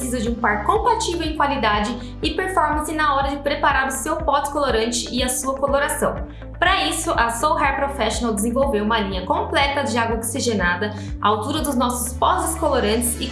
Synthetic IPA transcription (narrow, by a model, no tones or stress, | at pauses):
sizɐd͡ʒɪũpaɾkõpat͡ʃivewẽkwalid̪ad͡ʒɪ | ɪpeɾfɔɾmɐ̃sɪnɐɔɾɐd͡ʒɪpɾepaɾaɾʊsewpɔt͡ʃ̪ɪ̥koloɾɐ̃nt͡ʃɪʔɪɐsuɐkoloɾasɐ̃w̃ | pɾɐisʊʔɐsowɦɛɾpɾofɛʃonawd͡ʒ̪ɪzẽvowvewũmɐlĩɲɐkõmplɛt̪ɐd͡ʒɪaɡwɐoksiʒenad̪ɐ | aawt̪uɾɐd̪ʊznɔsʊ̥spɔzɪskoloɾɐ̃nt͡ʃɪ̥sɪ